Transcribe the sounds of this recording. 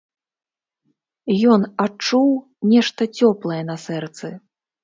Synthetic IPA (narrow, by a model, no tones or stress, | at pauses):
jɔnat͡ʂuw | nʲɛʂt̪ɐt͡sʲɔplˠɐjɛnɐsɛrt̪sɨ